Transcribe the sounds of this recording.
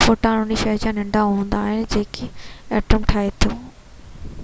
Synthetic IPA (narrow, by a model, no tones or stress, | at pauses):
foːʈãnʊ̃niʃɐɦd͡ʑãnɪ̃ɳɖãɦũːnd̪aːɦɪnɪ̆d͡ʑeːkɪɛːʈɾəmʈʰaːet̪ʰoː